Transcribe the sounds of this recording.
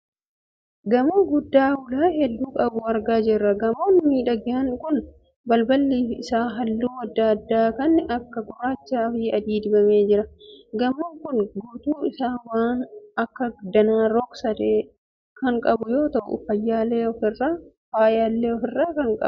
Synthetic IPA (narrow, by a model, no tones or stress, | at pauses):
ɡɐmoːɡʊd̪ːaːwʊlaːhɛd̪ːuːkʼɐbʊɐɾɡaːd͡ʒɪrːɐɡɐmoːnmiːᶑɐɡɪɐŋkʊn | bɐlbɐlːiːfɪsaːɦɐlːuːɐd̪ːad̪ːaːkɐnːɪʔɐkːɐɡʊɾaːt͡ʃːaːfiːɐd̪iːd̪ɪbɐmeːd͡ʒɪɾɐɡɐmuːŋkʊnɡuːt̪uːɪsaːwaːnɐkːɐd̪ɐnaːɾɔksɐd̪eː | kɐŋkʼɐbʊjo̞ːt̪ɐʔʊ̰ʊfɐjːaːleːɔfɪrːaː | faːjaːlːeːɔfɪrːaːkɐŋkʼɐ̰bʊ